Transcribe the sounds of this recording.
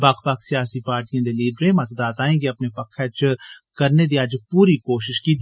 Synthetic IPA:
baːkʰpaːksijaːsipaːɾʈijãd̪eliːɖɾẽmɐt̪d̪aːt̪aːẽkiɐpnepɐkʰːɛt͡ʃkɐɾned̪iaːd͡ʒpuːɾikoːʃɪʃkid̪

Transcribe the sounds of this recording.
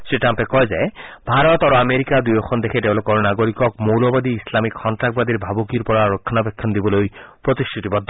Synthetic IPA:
sɾiʈampekɔɦed͡ʒaebʱaɾɔt̪aɾuameɾikad̪ujɔkʰɔnd̪ekʰeɖeblɔkɔɾunaɡoɾikɔk̚mowlɔbad̪iːslamikʰːɔnʈɾak̚bad̪iɾbʱabokiɾpɔɾaɾokʰːɔnapekʰːɔnd̪ibɔlojpɾɔt̪isʈʰit̪ibɔd̪ʱːɔ

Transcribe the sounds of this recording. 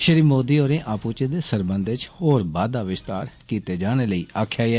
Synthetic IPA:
ʃəɾiːmoːd̪iːoːɾẽːʔaːpuːt͡ʃeːd̪eːsəɾbənd̪ʋɪt͡ʃhoːɾbaːd̪aːʋɪst̪aːɾkiːt̪eːd͡ʒaːɽ̃eːləiːaːkʰjaːɛː

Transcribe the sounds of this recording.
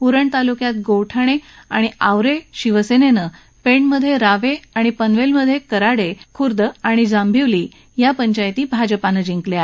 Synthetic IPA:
puɾəɳt̪alukjat̪̚ɡowʈʰəɽ̃eaɽ̃iawɾeɕiʋəsenenə | peɳməd̪ʱːjeɾaʋeaɽ̃ipənʋelməd̪ʱːjekəɾaɽekʰuɾd̪əaɽ̃id͡zambʱiʋliː | japəɲt͡ɕajt̪iːbʱad͡ʑəpanəd͡ʑiŋklja

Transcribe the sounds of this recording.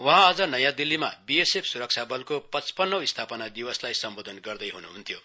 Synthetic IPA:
wʌɦãːd͡zʌnʌjãd̪ilːimabiesepʰsuɾʌk̚t͡sʰabʌlkopʌt͡spʌnːʌwist̪ʰapʌnad̪iwʌslajsʌmbod̪ʱʌnɡʌrd̪ʌjɦunuɦunt̪ʰijo

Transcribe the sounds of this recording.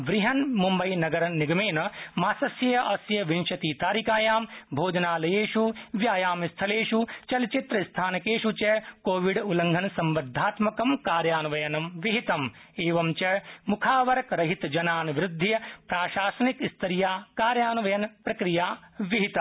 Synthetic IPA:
ʋɾiɦɐnmumbɐjnɐɡɐɾniɡɐmeːnɐmaːsɐsjɐjɐʔɐsjɐʋinʃɐt̪iːt̪aːɾikaːjaːmbʱoːd͡ʒ̪ɐnaːlɐjeːʃuʋjaːjaːmist̪ʰɐleːʃut͡ʃɐlt͡ʃit̪ɾɐist̪ʰaːnɐkeːʃut͡ʃɐkoːʋiɖulɐŋɡʱɐnsɐmbɐd̪ʱːaːt̪mɐkɐmkaːɾjaːnɐʋɐjɐnɐmʋiɦit̪ɐmeːʋɐmt͡ʃɐmukʰaːʋɐɾɐkɾɐɦit̪d͡ʒɐnaːnʋɾɪd̪ʱːijɐpɾaːʃaːsɐnikist̪ʰɐɾijaːkaːɾjaːnɐʋɐjɐnpɾɐkɾijaːʋiɦit̪ɐ

